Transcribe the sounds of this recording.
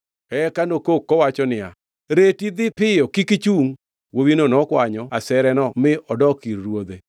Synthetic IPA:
ɛkanokokːɔwat͡ʃɔnɪa̰ | ɾetid̪ɪpɪjɔkikit͡ʃuŋ | wowinonɔkwaɲɔasɛɾɛnɔmɪʔɔdɔkiɾːwod̪e

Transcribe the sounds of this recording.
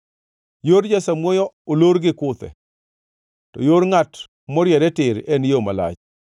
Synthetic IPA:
joɾd͡ʒasamwojɔoloɾɡɪkʊt̪ɛ̰ | tɔjoɾŋat | mɔɾjɛdɛtɪɾɛnjoma̰la̰t͡ʃ

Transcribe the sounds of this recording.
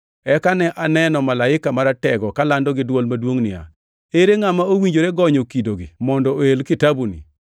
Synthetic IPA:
ɛkanɛʔanɛnɔmalaɪkamaɾatɛɡɔkalandɔɡɪdwɔlmadwoŋnɪa̰ | eɾeŋamaowiɲd͡ʒoɾeɡɔɲokidoɡimɔndɔoelkɪtabunḭ

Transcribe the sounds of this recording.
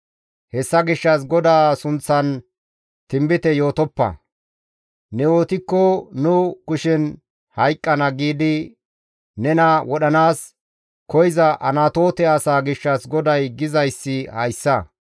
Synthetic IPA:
hɛsːɐɡɪʃːɐs̬ɡɔd̪aːsʊnt͡sːɐn | t̪ɪmbɪt̪ɛjo̞ːt̪ɔpːɐ̰ | nɛoːt̪ɪkːɔnʊkʊʃɛn | hɐjkʼːɐnɐɡiːd̪ɪ | nɛnɐwʔɔɗɐnaːs | kɔjɪzɐʔɐnat̪o̞ːt̪ɛɐsaːɡɪʃːɐsɡɔd̪ɐjɡɪzɐjsːɪhɐjsːɐ

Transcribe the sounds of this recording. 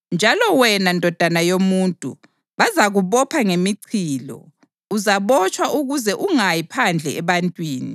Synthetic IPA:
nd͡ʒʱalɔwɛnandʱɔd̥ʱanajomuːntʼṵ | βazaɣuβɔpʰaŋemiǀʰiːlɔ̰ | uzaβɔt͡ʃʼwaʔuɣuzɛʔuŋajipʰand͡ɮʱɛɛβantʼwiːni

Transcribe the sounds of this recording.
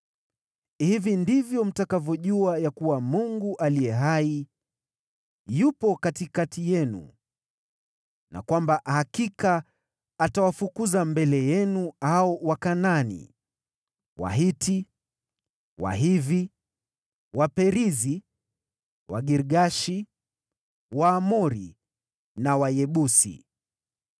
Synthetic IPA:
hivindivjɔm̩takavjɔʄuajakuwamuŋɡuʔalijɛɦai | jupɔkatikatijɛnṵ | na̰kwambahakikaː | tawafukuzambɛlɛjɛnuaɔwakananḭ | wa̰ɦiti | wa̰ɦivi | wapɛɾizi | waɡiɾɠaʃi | waːmɔɾi | nawajɛɓusḭ

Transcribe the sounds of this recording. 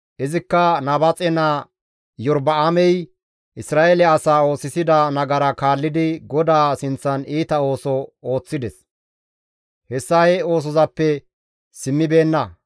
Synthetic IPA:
ʔɪzɪkːɐnɐbɐt͡sʼɛnɐ | jɔɾbɐamɛj | ʔɪsɾaːʔɛlɛɐsaːo̞ːsɪsɪd̪ɐnɐɡɐɾɐkaːlːɪd̪ɪɡɔd̪aːsɪnt͡sːɐniːt̪ɐo̞ːsɔoːt͡sːɪd̪ɛs | hɛsːɐjo̞ːs̬ɔzɐpːɛ | sɪmːɪbe̞ːnːɐ

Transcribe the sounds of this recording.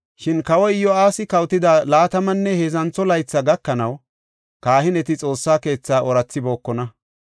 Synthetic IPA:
ʃɪnkɐwɔjɪjɔaːsɪkɐwt̪ɪd̪aːlaːt̪ɐmɐnːɛheːzɐnt͡sːɔlɐjt͡sːɐɡɐkːɐnɐw | kaːhɪnɛt̪ɪt͡sʼo̞ːsːaːke̞ːt͡sːaːʔɔɾɐt͡sːɪbo̞ːkːɔnɐ

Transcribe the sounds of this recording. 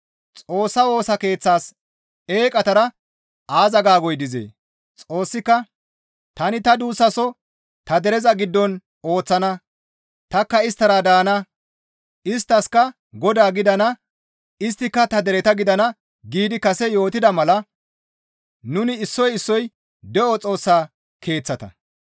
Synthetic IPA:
t͡sʼo̞ːsːɐwo̞ːsɐke̞ːt͡sːaːs | eːkʼɐt̪ɐɾɐ | aːzɐɡaːɡɔjd̪ɪzḛː | t͡sʼo̞ːsːɪkːɐ | t̪ɐnɪt̪ɐd̪uːsːɐsɔ | t̪ɐd̪ɛɾɛzɐɡɪd̪ːɔn | o̞ːt͡sːɐnɐ | t̪ɐkːɐɪst̪ːɐɾad̪aːnɐ | ɪs̬t̪ːɐskɐ | ɡɔd̪aːɡɪd̪ɐnɐ | ɪs̬t̪ːɪkːɐt̪ɐd̪ɛɾɛt̪ɐɡɪd̪ɐnɐ | ɡiːd̪ɪkɐsɛjo̞ːt̪ɪd̪ɐmɐlɐ | nʊnɪɪsːɔjɪsːɔj | d̪ɛʔɔt͡sʼo̞ːsːaː | kʰe̞ːt͡sːɐt̪ɐ̰

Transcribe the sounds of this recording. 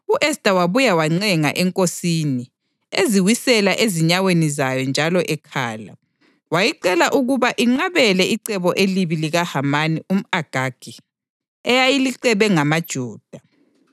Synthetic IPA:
uʔɛstʼawaβujawaŋ͡ǀɛŋa̰ʔɛŋkʼosiːni | eziwisɛlaʔeziɲawenizajɔnd͡ʒʱalɔʔɛkʰaːla̰ | wajiǀɛlaʔuɣuβaʔiŋ͡ǀaβɛlɛʔiǀɛβɔʔeliβiliɣahamanium̩aɡ̥ʱaɡ̥ʱi | ɛjajiliǀɛβɛŋamad̥ʒ̥ʱuːd̥ʱa

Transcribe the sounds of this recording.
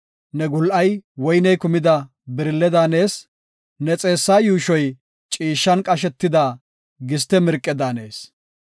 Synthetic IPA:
nɛɡʊlʔɐjwɔjnɛjkʊmɪd̪ɐ | bɪɾɪlːɛd̪aːne̞ːs | nɛt͡sʼe̞ːsːaːjuːʃɔj | t͡ʃʼiːʃːɐnkʼɐʃ̬ɛt̪ːɪd̪aː | ɡɪst̪ɛmɪɾkʼːɛd̪aːne̞ːs

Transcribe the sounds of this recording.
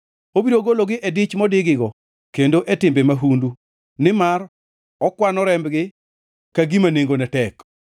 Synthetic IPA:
obiɾoɡoloɡɪʔedɪt͡ʃmɔdɪɡɪɡɔ | kendoʔetɪmbemaɦundu | nɪmar | ɔkwanɔɾɛmbɡɪ | kaɡimaneŋɡonɛtɛk

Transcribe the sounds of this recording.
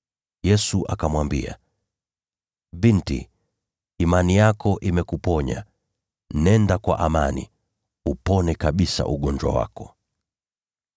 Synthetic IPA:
jɛsuʔakamwambḭa̰ | vintḭː | manijakɔʔimɛkupɔɲa̰ | nɛndakwa̰ʔamanḭ | upɔnɛkaɓisa̰ʔuɠɔɲd͡ʒwa̰wa̰kɔ̥

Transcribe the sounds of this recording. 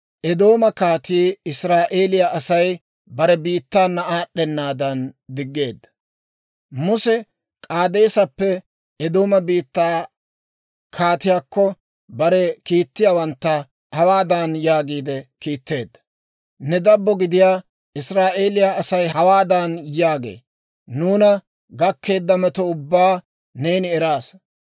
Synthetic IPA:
ʔɛd̪o̞ːmɐkaːt̪iːɪsɾaːʔeːlɪjaʔɐsɐj | bɐɾɛbiːt̪ːaːnːɐaːɗːɛnːaːd̪ɐnd̪ɪɡːe̞ːd̪ːɐ̥ | mʊsɛ | kʼaːd̪e̞ːsɐpːɛ | ɛd̪o̞ːmɐbiːt̪ːaː | kʰaːt̪ɪjaːkːɔ | bɐɾɛkiːt̪ːɪjaːwɐnt̪ːɐ | hɐwaːd̪anjaːɡiːd̪ɛkiːt̪ːe̞ːd̪ːɐ̥ | nɛd̪ɐbːɔɡɪd̪ɪjaː | ʔɪsɾaːʔe̞ːlɪjaɐsɐjɐwaːd̪anjaːɡḛː | nuːnɐ | ɡɐkːe̞ːd̪ːɐmɛt̪ɔʊbːaː | ne̞ːnɪɛɾaːs

